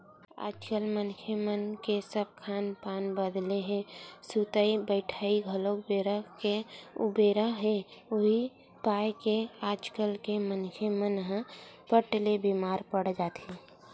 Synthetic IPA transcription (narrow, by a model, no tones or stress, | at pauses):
a̰ːd͡ʒkəlmənkʰemənkesəb̚kʰanpanbəd̪leɦesut̪əibəɪʈʰaiɡʱəlokbeɾəkeubeɾəɦeoɦi | pajkead͡ʒkəlkemənkʰemənɦə̃pəʈlebimaɾpəɽd͡ʒat̪i